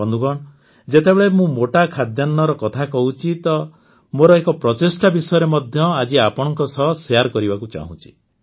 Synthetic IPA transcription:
ɔnd̪uɡɔɽ̃ | d͡ʒet̪ebeɭemũmoʈakʰad̪janːɔɾɔkɔt̪ʰakɔɦut͡ʃʰit̪ɔ | moɾɔekɔpɾɔt͡ʃesʈabisɔjɔɾemɔd̪ʱjɔad͡ʒiapɔɽ̃ɔ̃ŋkɔsɔɦsejaɾkɔɾibakut͡ʃa̰ɦṵ̃t͡ʃʰi̥

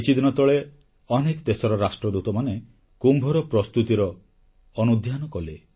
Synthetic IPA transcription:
it͡ʃid̪nɔt̪ɔɭe | ɔnekɔd̪esɔɾɔɾasʈɾɔd̪ut̪ɔmane | kumbʱɔɾɔpɾɔst̪ut̪iɾɔː | nud̪ʱjanɔkɔle

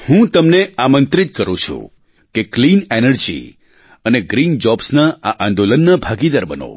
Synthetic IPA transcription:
hũt̪əmneamənt̪ɾit̪̚kəɾũt͡ʃʰṵ̃ | keklinenəɾd͡ʒḭ | əneɡɾind͡ʒɔbsnaaʔãnd̪olənːabʱaɡid̪əɾbəno̰

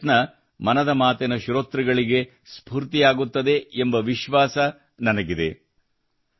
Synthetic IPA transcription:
nɐ | mɐnɐd̪ɐmaːt̪ɛnɐʃuɾoːt̪ɾiɡɐɭiɡe̞ | spuːɾt̪ijaːɡut̪ːɐd̪e̞ːmbɐʋiʃʋaːsɐ | nɐnɐɡid̪e̞̰

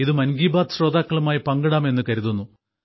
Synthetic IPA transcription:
iðɨmɐnɡiːbaːd̪ɨɕro̞ːd̪aːkːɐɭumaːjipɐŋɡɐɽaːme̞nːɨkɐɾuðunːu

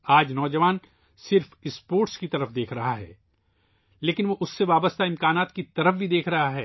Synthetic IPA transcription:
aːd͡ʒnɔːd͡ʒɐʋaːn | sɪɾfɪspoːɾʈskit̪ɐɾəfd̪eːkʰɾɐɦaɦɛ̰ː | leːkɪnʋoːʔʊsːeʋaːbəst̪aɪ̃mkaːnaːt̪kit̪ɐɾəfbʱid̪eːkʰɾɐɦaɦɛː

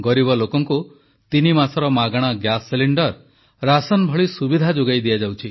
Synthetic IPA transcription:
ɡɔɾibɔlokɔŋku | t̪inimasɔɾɔmaɡaɽ̃ɔɡjasːeliɳɖɔɾ | ɾasɔnbʱɔɭisubid̪ʱad͡ʒoɡajd̪ijad͡ʒawt͡ʃʰi

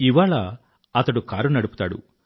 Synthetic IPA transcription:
iʋaːɭɐ | ɐt̪ɐɽukaːɾunɐɽupu̥t̪aːɽṵ

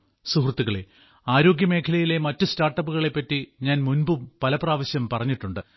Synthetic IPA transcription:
suhrɨt̪ːiɣɐɭḛ | aːɾo̞ːɡʲjɐme̞ːkʰɐlɐjile̞mɐtːɨstaːrʈːɐpːuɣɐɭe̞pːɐtːiɲaːnmunbumpɐlɐpraːʋɐɕjɐmpɐrɐɲːiʈːuɳɖɨ

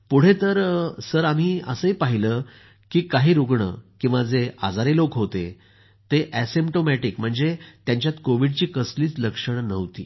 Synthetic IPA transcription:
puɽ̤et̪əɾsəɾam̤iːəsəipaɦiləː | kiːkaɦiːɾuɡɳə̰kĩw̃ʋad͡zea̰d͡zaɾelokɦot̪e | t̪eʔæsimpʈomæʈikm̤əɳd͡zet̪jãɲt͡ɕjat̪koʋiɖt͡ɕiːkəsliːt͡sləkʂəɳnəʋt̪ḭː

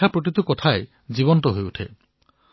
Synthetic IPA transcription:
apɾoʈ̬it̪ukɔtʰae | d͡ʒibɔntɔɦojuʈʰḛ

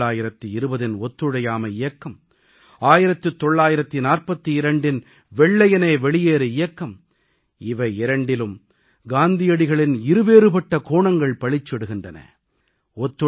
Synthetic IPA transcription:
aːjɪɾɐt̪ːɯɪɾɯbɐðɪnɔt̪ːɯɽɐjaːmɐɪjɐkːɐm | aːjɪɾɐt̪ːɯt̪ːɔɭːaːjɪɾɐt̪ːɯnaːrpɐt̪ːɯɪɾɐɳɖɪn | ʋɛɭːɐjɐneːʋɛɭɪjeːɾɯɪjɐkːɐm | ɪʋɐɪɪɾɐɳɖɪlɯm | ɡaːnd̪ɪjɐɽɪɣɐɭɪnɪɾɯʋeːɾɯpɐʈːɐkoːɳɐŋɡɐɭpɐɭɪt͡ʃːɛɽɯɣɪndrɐnɐ̰ | ɔt̪ːɯ

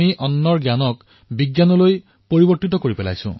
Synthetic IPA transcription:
iʔɔnːɔɹɡjanɔk | biɡjanɔloj | poɹibɔɹt̪it̪ɔkoɹipɛla̰jsṵ̃

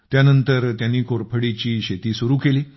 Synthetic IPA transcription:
t̪janənt̪əɾt̪janːiːkoɾpʰəɽit͡ɕiːɕet̪iːsuɾuːkeliː

